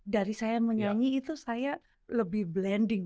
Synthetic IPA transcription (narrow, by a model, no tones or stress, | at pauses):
daɾisajaməɲaŋiːt̪usaja | ləbɪhblɛndɪŋ